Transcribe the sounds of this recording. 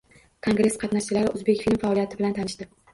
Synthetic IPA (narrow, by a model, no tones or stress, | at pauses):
kʰo̞ŋɡɾe̞sqʰɑt̪naʃt͡ʃɪlaɾɪʔʊzbe̞kʲfilmfaɒlijat̪ɪbɪlant̪ʰanɪʃd̪ɪ